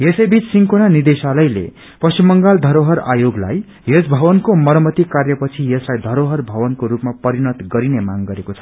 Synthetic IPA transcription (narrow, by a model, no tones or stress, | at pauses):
jesʌjbit͡ssiŋkonanid̪esalʌjlḛ | pʌsimːʌŋɡald̪ʱʌɾoɦʌɾa̰joɡla̰j | esbʱʌbʌnkomʌɾʌmʌt̪ikarjʌpʌt͡sʰijʌslajd̪ʱʌɾoɦʌrbʱʌbʌnkoɾupmapʌɾinʌt̪ɡʌɾinemaŋɡʌɾekot͡sʰʌ̥